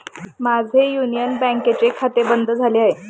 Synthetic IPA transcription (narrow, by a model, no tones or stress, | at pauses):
mad͡zʱejunijənbɛ̃ŋket͡ɕekʰat̪ebənd̪ʱəd͡zʱaleaɦe